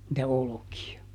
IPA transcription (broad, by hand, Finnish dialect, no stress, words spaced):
nĭtæ olokiɑ